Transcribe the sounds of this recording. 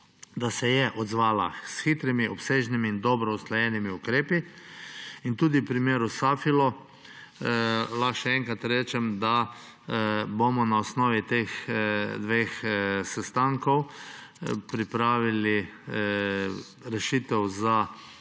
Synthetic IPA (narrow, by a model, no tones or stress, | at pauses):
d̪asɛjɛʔɔd̪zʋaːlasxit̪ɾimiʔɔpseːʒnimiːnd̪ɔbɾɔʊslajɛnimiukɾeːpi | int̪uːd̪ipɾimeːɾʊsafilɔ | laxʃɛɛŋkɾat̪ɾɛːt͡ʃɛmd̪a | bomɔnaɔsnɔːʋit̪exd̪ʋeːxsɛst̪aŋkɔw | pɾipɾaːʋili | ɾɛʃiːt̪ɛwza